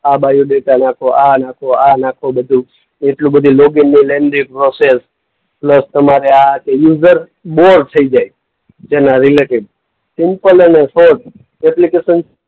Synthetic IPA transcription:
abajuɖeʈanakʰoʔanakʰoanakʰobəd̪ʱũ | eʈlũbəd̪ʱũloɡinːileɳɖĩŋɡ̚pɾoses | pləst̪əmaɾeakejuzəɾ | boɾɖt̪ʰəid͡ʒaj | d͡ʒenaɾileʈiʋ | sɪmpələnesoʈ̚ | ɛplikesən

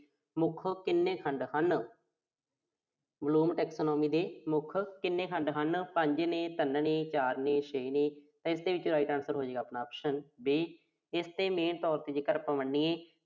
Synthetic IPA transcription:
mʊkʰkɪnːeːkʰəɳɖhən | bəluːmʈɛːksoːnɔːmiːd̪eːmʊkʰkɪnːeːkʰəɳɖɦənpəɲd͡ʒneːt̪ənnẽːt͡ʃaːɾneːʃeːnẽːt̪ãːɪsd̪eːʋɪt͡ʃɾaːiʈãːnsəɾɦoːd͡ʒeːɡaːpnaːɔːpʃənbeː | ɪst̪eːmeːnt̪ɔːɾt̪eːd͡ʒeːkəɾpəməɳːiːẽː

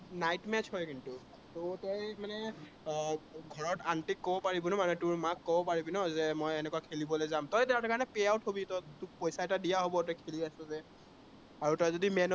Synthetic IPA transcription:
najtmɛt͡ʃhɔjkintu | tʊtɔjmanɛ | ɡʱɔɹɔtantikːobɔpaɹibɔnɔmanɛtʊɹmakːobɔpaɹibinɔzɛmɔjɛnɛkuwakʰelibɔlɔzamtɔjtɛatakaɹnɛpɛaʊtɦobitɔtʊk̚pɔjsaɛtadijaɦobɔtɔjkʰeliasɛzɛ | aɹutɔjzodimɛn

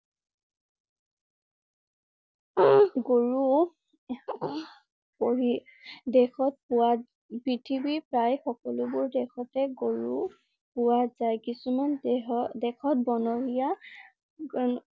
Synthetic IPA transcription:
ɡoɹu | poɹidɛxɔt̚pʊwa | pɹitʰibipɹajxɔkɔlʊbʊɹdɛxʰɔtɛɡoɹu | pʊwazajkisumandɛxɔt̚bɔnɔɹija

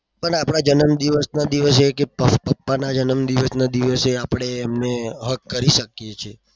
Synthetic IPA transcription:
pəɳapɽ̃ad͡ʒənəmd̪iʋəsnad̪iʋəsekepəpəpːanad͡ʒənəmd̪iʋəsnad̪iʋəseapɽ̃eːmneɦəkːəɾiʃəkjet͡ʃʰe

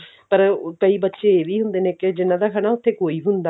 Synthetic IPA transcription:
pəɾkəiːbətːʃeːeːʋiːɦʊnd̪eːnẽːkɪd͡ʒɪnːãːd̪aːkʰəɽ̃aːʊt̪ʰːeːkoːiːɦʊnd̪aː

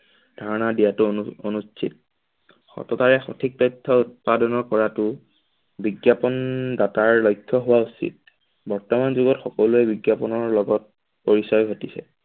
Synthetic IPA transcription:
dʱaɹɔnadijatʊonustʰḭt̚ | xɔ̰tɔtaɹɛxɔ̰tʰik̚tɔjtʰːɔut̚padɔnɔɹkɔɹatʊ | biɡjapɔndataɹlɔjkʰːjɔɦʊwausḭt̚ | bɔɹtɔmanzuɡɔtxɔkɔluɛbiɡjapɔnɔɹlɔɡɔt̚ | poɹisɔjɡʱotisɛ̰

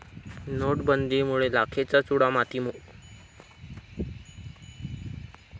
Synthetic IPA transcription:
noʈbənd̪iːmuɭelakʰet͡sat͡suɽamat̪imu

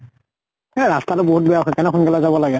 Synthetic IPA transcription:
ɛɹastalɔboɦut̚bɛjakʰɔjkɛnɛkʰɔnɡɛlazabɔlaɡɛ

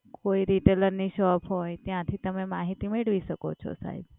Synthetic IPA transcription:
koiɾiʈeləɾniʃɔpɦojt̪jãt̪ʰit̪əmemaɦit̪imeɭʋiʃəko̰t͡ʃʰɔ̰sa̰ɦḭb

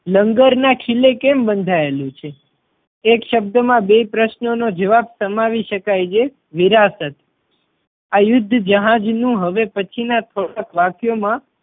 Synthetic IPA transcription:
ləŋɡəɾnãkʰilekembənd̪ʱaelũt͡ʃʰe | ekʃəb̚d̪əmãbepɾəʃnonod͡ʒəʋabsəmaʋiʃəkajd͡ʒe | ʋiɾasət̪ | ajʊd̪ʱːd͡ʒəɦad͡ʒnũɦəʋepət͡ʃʰinat̪ʰoɽakʋakjomã

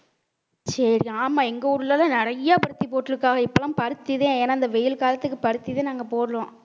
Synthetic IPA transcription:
sɐɾɪaːmaːɛŋɡɐʊɾɯlɐlãːnɪɾɐjːapɐɾɯt̪ːipoːʈːɪlɯkːaːɣɐɪpːɐlɐmpɐɾɯt̪ːiðẽːeːnaːɪnd̪ɐʋɛjɪlkaːlɐt̪ːɯkːɯpɐɾɯt̪ːiðẽːnaːŋɡɐpoːɾɯlõː

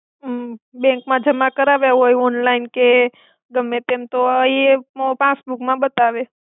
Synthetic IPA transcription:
bɛ̃ŋkmãd͡ʒəmãkəɾaʋeɦojɔnlainke | ɡəmːet̪emt̪oəeopasbukmãbət̪aʋe

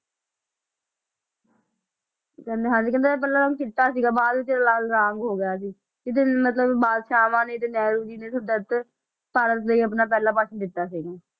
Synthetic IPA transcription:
kɛ̃ːnd̪eːɦãːd͡ʒiːkɛ̃ːnd̪eːpɛːlaːɾãːŋɡkɪʈːaːsiːɡaːbaːd̪ʋiːt̪eːɾaːlaːlɾaːŋɡɦoːɡɪjaːs̬iː | kɪt̪enːmət̪ləbbaːd̪ʃaːmãːnẽːt̪eːnɛːɾuːd͡ʒiːneːsəbd̪ət̪ | paːɾət̪leːəpnaːp̬ɛːlãːpaːt͡ʃʰənd̪ɪt̪ːaːsiːɡaː

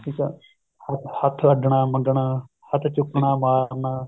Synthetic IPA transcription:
ʈʰiːkaː | hɐt̪hɐt̪ʰɖʱɳ̃aːməɡɳaː | hɐt̪ʰt͡ʃʊkɳaːmaːɾnaː

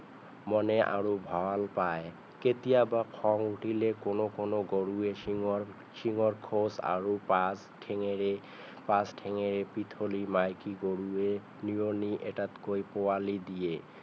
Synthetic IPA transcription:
mɔneʔa̰ɹubʱɔalpae | ket̪ijabakʰɔŋuʈʰilekonokonoɡoɽue | ʃiŋoɹkʰosa̰ɹupa | ʈʰeŋee | pasʈʰeŋeɾepit̪ʰolimajkiɡoɽue | nioniʔeʈat̪kojpoalid̪ije

